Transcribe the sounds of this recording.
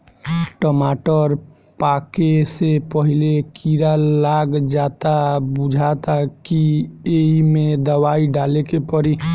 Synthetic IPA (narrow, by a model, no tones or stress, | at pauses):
ʈəmaʈəɾ | pakesepəɦilekʰiɾalaɡd͡ʒat̪abud͡ʒʱat̪akieimed̪əβaiɖalekepəɾi